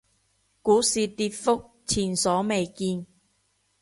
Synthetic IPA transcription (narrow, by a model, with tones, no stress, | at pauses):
kuː˨˥siː˨t̪iː˧t̚fʊ˥k̚ | t͡sʰiː˨˩nsɔː˨˥me˨jkiː˧n